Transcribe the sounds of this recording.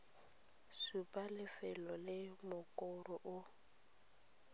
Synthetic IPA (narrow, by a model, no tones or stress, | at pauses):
supʼalɪfɛlɔlɪmʊkʼɔrɔʔʊ